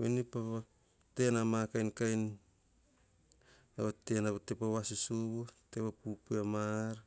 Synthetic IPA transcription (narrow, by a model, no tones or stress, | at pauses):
wenipaβa | te̞namakajnkajn | aβatenaβatepawasusuβutepapupeamaɾ